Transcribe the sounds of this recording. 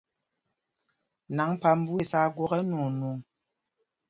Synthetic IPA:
na˨˦ŋpa˨m̩˦bu˦e˨sa˦ɡwɔ˦ɣɛ˦nu˨nu˨ŋ

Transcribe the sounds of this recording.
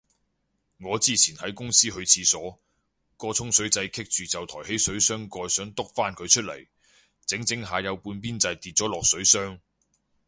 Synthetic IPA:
ŋɔː˨˧t͡siː˥t͡sʰiː˨˩nhɐ˨˥jkʊ˥ŋsiː˥ɦɵ˧ɥt͡sʰiː˧sɔː˨˥ | kɔː˧t͡sʰʊ˥ŋsɵ˨˥ɥt͡sɐ˧jkʰɪ˥k̚t͡syː˨t͡sɐ˨wt̪ʰɔː˨˩he˨˥jsɵ˨˥ɥsœː˥ŋkɔː˧jsœː˨˥ŋt̪ʊ˥k̚faː˥nkʰɵ˨˧ɥt͡ʃʰɵ˥t̚lḛ˨˩j | t͡sɪ˨˥ŋt͡sɪ˨˥ŋɦaː˨˧jɐ˨˧wpuː˧npiː˥nt͡sɐ˧jt̪iː˨t̚t͡sɔː˨˥lɔː˨k̚sɵ˨˥ɥsœː˥ŋ

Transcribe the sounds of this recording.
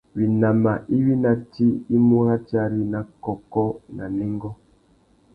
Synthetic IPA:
wi˨na˨ma˨ʔi˦wi˦na˨ti˦i˦mu˦ɾa˦ta˦ɾi˦na˨kɔ˨kɔ˦na̰˨nɛ˦ŋɡɔ˦

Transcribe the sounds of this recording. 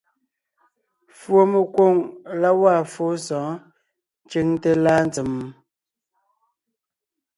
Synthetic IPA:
fwo˨me˨kwo˦˨ŋla˦wa˦˨fo˨˦sɔ̃ː˨˦ | n˦t͡ʃe˦ŋte˦laː˦n˦t͡sə˨m˨

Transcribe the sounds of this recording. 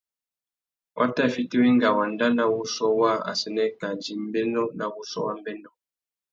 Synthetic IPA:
wʔa̰˦ta˦˨fi˦te˦we˦ŋ˦ɡa˨wa˨nda˦na˦wu˦sɔ˦wa˦a̰˨sɛ˨nɛ˦ka˨d͡ʒi˨m˦bɛ˦nɔ˦na˦wu˦sɔ̰˦wa̰˦m˦bɛ˦nɔ˦

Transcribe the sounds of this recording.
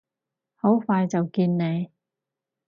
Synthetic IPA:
ho˨˥wfaː˧jt͡sɐ˨wkiː˧nne˨˧j

